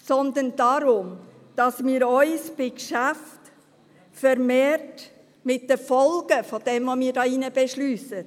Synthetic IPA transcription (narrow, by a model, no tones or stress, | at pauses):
sɔnd̪ənd̥ɑɾʊm | d̥ɑsmiːɾɔʏsb̥ɪkʃaft | fɛɾmeːɾt | mɪt̚d̥əfɔlɡəfod̥ɛmvomiːɾdɑːinəbɛʃlyːsə